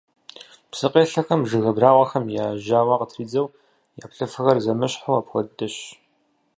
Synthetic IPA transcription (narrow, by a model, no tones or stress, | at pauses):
psɨqʼeːɬɐxɐmʒɨɣɐbraːʁʷɐxɐmjaːʒaːwɑːqətʰriːd͡zɐw | jaːpɬɨfɨɣɐrzɐmɨɕħawapxʷɔddɐɕ